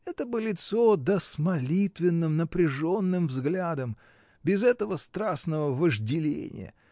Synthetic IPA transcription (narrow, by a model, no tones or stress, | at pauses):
ɛt̪əbɨlʲɪt̪sod̪əsmɐlʲit̪vʲɪnːɨmnəpɾʲɪʐo̞nːɨmvzɡlʲad̪əm | bʲɪzɛt̪əvəst̪ɾasnəvəvəʐdʲɪlʲḛnʲɪ̰jə̰